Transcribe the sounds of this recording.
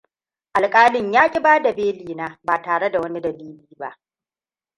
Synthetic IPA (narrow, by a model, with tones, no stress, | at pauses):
ʔa˨lkʼaː˦lɪ˦˨ɲjaː˦kʲʼɪ˦baː˦da˨beː˦liː˨naː˦baː˨taː˨ɽe˦da˨wɐ˦ni˦dɐ˨liː˦liː˦ba̰˦ʔ